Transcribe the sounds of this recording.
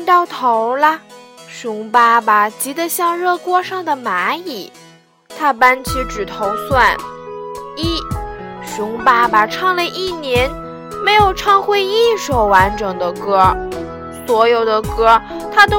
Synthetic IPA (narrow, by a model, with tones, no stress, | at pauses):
nt̪ɑ˥˩ʊt̪ʰo˧˥ʊlɐ˧ʂʊ˧˥ŋpa˥ba˩t͡ɕi˧˥d̪ə˨ɕjɑ˥˧ŋɻɤ˥˩kwɔ˥ʂɑ˥˩ŋd̪ə˩ma˧˥i˨˩˦ | t̪ʰa˥pa˥nt͡ɕʰi˧˥ʈ͡ʂɻ̩˨˩t̪ʰo˧˥ʊswa˥˩n | i˥˩ʂʊ˧˥ŋpa˥ba˩ʈ͡ʂʰɑ˥˩ŋlə˨ʔi˥˩njɛ˧˥n | me˧˥ɪjo˨˩ʊʈ͡ʂʰɑ˥˧ŋxwe˥˧ɪi˥˧nʂo˧˩ʊwa˧˥nʈ͡ʂɤ˨˩ŋd̪ə˦kɤ˥ | swɔ˧˥jo˨˩ʊd̪ə˦kɤ˥t̪ʰa˥t̪o˥